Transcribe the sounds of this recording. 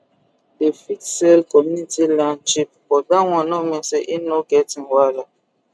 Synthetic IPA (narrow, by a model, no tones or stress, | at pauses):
defitsɛlkɔmunitilant͡ʃip̚fɔdaŋɔ̃nɔmeseʔinoɡɛtiŋwala